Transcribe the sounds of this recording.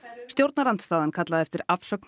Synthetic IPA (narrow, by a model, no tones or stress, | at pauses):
st̪jowɾt̪naɾant̪st̪aːðankʰat̪laðɛft̪ɪɾafsœk̚n